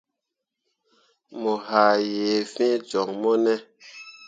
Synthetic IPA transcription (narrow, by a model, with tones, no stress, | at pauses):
mɔ˨ha˨jeː˨fɛ̃˦d͡ʒɔ˨ŋmɔ˦nɛ˦